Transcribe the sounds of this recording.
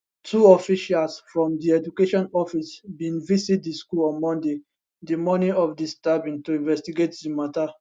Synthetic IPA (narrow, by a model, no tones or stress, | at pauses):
tʰuɔfiʃalsfɹɔ̃mdiɛd͡ʒukeʃɔ̃nɔfisbĩnvisit̚diskulɔ̃nmɔ̃nde | dimɔniɔfdistabĩntuĩnvɛstiɡetdimata